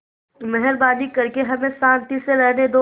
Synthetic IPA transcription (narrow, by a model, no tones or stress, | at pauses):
mɛɦəɾbaːnikɐɾkeɦɐmẽsãːnt̪iseɾɛɦned̪oː